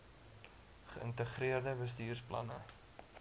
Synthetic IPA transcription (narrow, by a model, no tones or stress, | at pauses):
χəʔəntəχriərdəbəstiːrsplɐ̰nə